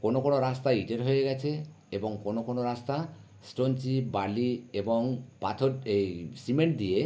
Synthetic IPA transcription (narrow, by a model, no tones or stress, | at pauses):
konokonoɾast̪aiʈeɾɦojeɡat͡ʃʰe | ebɔŋkonokonoɾast̪a | sʈont͡ʃibaliebɔŋpat̪ʰɔɾejsimeɳʈ̚d̪ie